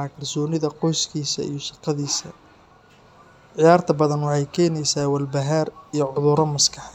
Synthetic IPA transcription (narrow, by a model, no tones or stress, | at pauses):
kʰɐrsɔːnɪðɐqɔjskʰiːsɐ̰ḭjɔsɑqɑðiːsɐ | ʕɪjaːrt̪ʰɐbɐðɐnwɑħɑjkʰɛːnɛjsaːwɐlbɐɦaɾijɔʕʊðʊɾɔmɐskʰɑ̥ħ